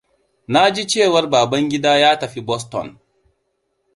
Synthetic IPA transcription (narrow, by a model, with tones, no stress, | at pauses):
na˦d͡ʒi˦t͡ʃeː˦˨wɐ˦rbaː˨bɐ˦ŋɡʲɪ˦daː˦jaː˦tɐ˨ɸi˦bɔ˦s̬tɔ̰˨n